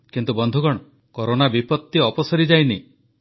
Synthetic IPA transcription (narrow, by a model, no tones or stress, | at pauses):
kint̪ubɔnd̪ʱuɡɔɽ̃ɔ | kɔɾonabipɔt̪ːiɔpɔsɔɾid͡ʒajni